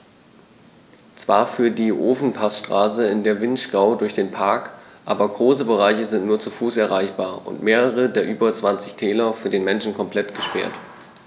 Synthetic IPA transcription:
t͡sv̥a̰ːɐfyːɐdiːʔoːfn̩pʰasʃtʁ̥aːsəɪndeːɐvɪntʃɡ̥ʁaʊdʊɐçd̥eːnpʰaɐkʔaːbɐɡʁoːsəbəʁ̞aɪçəzɪntnuːɐt͡sufuːsɛɐʁ̞aɪçb̥aːɐʔʊ̰ntmeːʁəʁ̞ədeːɐʔyːbɐt͡sv̥ant͡sɪçtʰɛːlɐfyːɐdeːnmɛnʃn̩kʰɔmpl̥ɛtɡ̥əʃpɛ̰ɐt

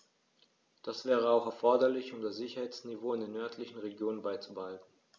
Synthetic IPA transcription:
d̥asv̥ɛːʁ̞əaʊxɛɐfɔɐdɐlɪçʊmdasz̥ɪçɐhaɪt͡snivoːɪndeːɐnːœɐtʰlɪçn̩ʁeɡjoːnənbaɪt͡subəhaltn̩

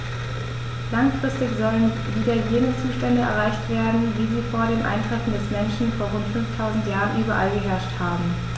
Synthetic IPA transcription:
laŋfʁ̥ɪstɪçz̥ɔlən | viːdɐjeːnət͡suːʃtɛndəɛ̰ɐʁ̞aɪçtv̥eːɐdn̩viːziːfoːɐɾeːmʔa̰ɪntʁ̥ɛfn̩dɛsmɛnʃn̩foːɐʁ̞ʊntfʏnftʰaʊzn̩tjaːʁənʔyːbɐʔa̰lɡəɦɛɐʃthaːbm̩

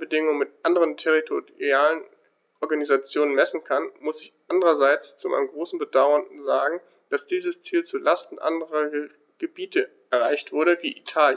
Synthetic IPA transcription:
bədɪŋʊŋəmɪtʔandəʁəntʰɛʁitʰoiaːlən | ʔɔɐɡanizat͡sjoːnənmɛsn̩kʰanmʊsɪçʔandəʁɐzaɪt͡st͡suma̰ɪnəmɡʁoːsn̩bədaʊɐnn̩zaːɡŋ̩ | d̥asd̥iːzəst͡siːlt͡sulastn̩ʔa̰ndəʁɐ | ɡ̥əbiːtə | ɛɐʁaɪçtv̥ʊɐɾəviːʔitʰaːlj

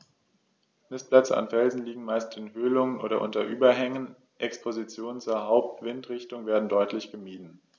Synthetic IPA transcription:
nɪst̚plɛt͡sə̰a̰nfɛlzn̩liːɡŋ̩maɪstɪnɦøːlʊŋənʔoːɾɐʔʊ̰ntɐʔyːbɐɦɛŋən | ʔɛkspʰozit͡sjoːnənt͡suːɐɦaʊp̚tv̥ɪntʁɪçtʊŋveːɐdn̩dɔʏtʰlɪçɡ̥əmiːdn̩

